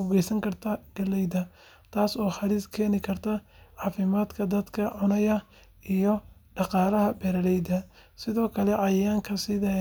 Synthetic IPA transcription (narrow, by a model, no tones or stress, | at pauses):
ʊɣɛjsɐŋkʰɐrt̪ʰɐɡ̥ɐlɛjd̪ɐ | t̪ʰaːsɔːħɑɾɪskʰɛːnɪkʰɐrt̪ʰɐʕɑːfɪmaːd̪kʰɐd̪ɐd̪kʰɐʕʊnɐjɐ | ʔijɔɖɑqɑːlɐɦɐbɛɾɐlɛjd̪ɐsɪðɔːkʰɐlɛʕɑjaːŋkʰɐsɪðɐ